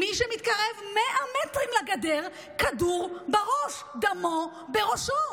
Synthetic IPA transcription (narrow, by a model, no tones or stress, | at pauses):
miʃemit̪kaʁevmeʔamet̪ʁimlaɡad̪eʁ | kaduʁbeʁoʃ | d̪amo | beʁoʃo